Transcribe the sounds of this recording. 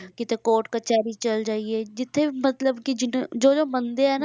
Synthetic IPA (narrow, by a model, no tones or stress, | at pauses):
kɪt̪eːkoːʈkət͡ʃaːɾiːt͡ʃəld͡ʒaːieːd͡ʒɪt̪ʰːeːmət̪ləbkɪd͡ʒɪnd͡ʒoːd͡ʒoːmənd̪eːɦɛːna